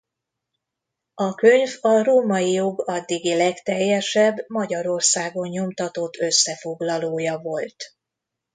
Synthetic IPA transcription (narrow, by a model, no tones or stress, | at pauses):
ɒkø̞ɲvɒroːmɒjijoɡɒd̪ːiɡilɛkt̪ɛjːɛʃɛbmɒɟɒɾo̞rsaːɡo̞ɲɲo̞mt̪ɒt̪o̞t̪ʰːø̞sːɛfo̞ɡlɒloːjɒvo̞lt̪